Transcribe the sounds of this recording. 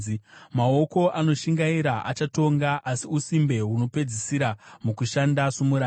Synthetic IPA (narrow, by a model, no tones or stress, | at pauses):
mao̞ko̞ʔano̞ʃiŋɡaiɾaʔa̰t͡ʃato̞ŋɡaʔasiusimbe̞ɦuno̞pe̞d͡zisiɾamukuʃandasumuɾa